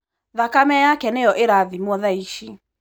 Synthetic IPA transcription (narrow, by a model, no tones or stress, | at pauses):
ðakamɛjakɛnejɔʔeɾaðimɔðaiʃi